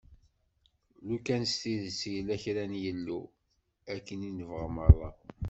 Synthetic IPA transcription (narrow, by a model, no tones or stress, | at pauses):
lukænst̪iðsjəlæçɾænjəlːu | ækːəninəvʁəməlˤːɑ̰